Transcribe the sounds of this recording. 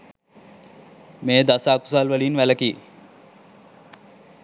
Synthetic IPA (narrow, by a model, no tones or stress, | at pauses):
meːd̪asaːku̥salʋəliːnʋæləkiː